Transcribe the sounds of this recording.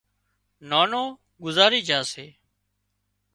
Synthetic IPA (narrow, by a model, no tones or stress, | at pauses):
naːnoː | ɡʊzaːɾiːd͡ʒaːseː